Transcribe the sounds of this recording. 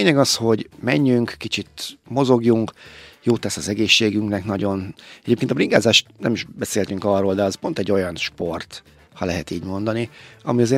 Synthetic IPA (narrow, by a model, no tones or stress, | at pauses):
ɲɛɡɒsho̞ɟmɛɲːyŋkːit͡ʃit̪mo̞zo̞ɡjuŋkjoːt̪ːɛsɒzɛɡeːʃːeːɡyŋknɛknɒɟo̞nɛɟeːpkent̪ɒbriŋɡaːzaːʃt̪nɛmiʒbɛseːlt̪yŋkɒrːoːld̪ɛɒspo̞nt̪ɛɟːo̞jɒnʃpo̞rt̪ | hɒlɛɦɛt̪iːɟmo̞nd̪ɒniɒmiɒzeː